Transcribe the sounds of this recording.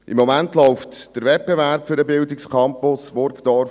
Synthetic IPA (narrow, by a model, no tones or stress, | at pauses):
ʔɪmːɔmæntlɔʊftd̥əɾvɛt̚b̥ɛvæɾpfʏɾəbɪldɪkskʰɑmpʊsʋɔɾkd̥ɔɾ